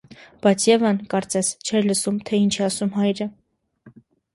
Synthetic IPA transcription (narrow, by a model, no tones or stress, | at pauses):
b̥ɑjt͡sʰjɛvənkɑɾt͡sɛst͡ʃʰɛɾləsumt̪ʰɛint͡ʃʰɛɑsumɦɑjɾə